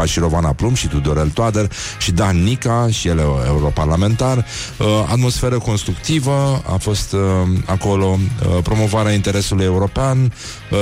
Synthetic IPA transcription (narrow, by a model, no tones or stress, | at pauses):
aʃiɾo̞vanaplumʃit̪ud̪o̞ɾelt̪wad̪erʃid̪anːikaʃijeleḛuɾo̞parlame̞nt̪ar | a̰t̪mo̞sfe̞ɾəko̞nst̪ɾukt̪ivəa̰fo̞st̪ako̞lo̞pɾo̞mo̞vaɾeaint̪e̞ɾe̞suluje̞uɾo̞pean